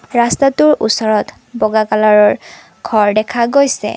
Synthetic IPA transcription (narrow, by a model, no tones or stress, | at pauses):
ɹastatʊɹusɔɹɔt | bɔɡakalaɹɔɹ | ɡʰʱɔɹdɛkʰaɡojsɛ̰